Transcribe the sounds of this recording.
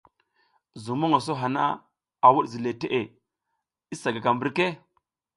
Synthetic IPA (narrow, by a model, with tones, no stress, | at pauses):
zu˨mo˦ŋa˨s̬o˦ɦa˨na̰˦ | a˨wu˦ɗzi˨le˨te˦ʔe˨ | i˦sa˨ɡa˨ɡa˨mbi˦ɾke˦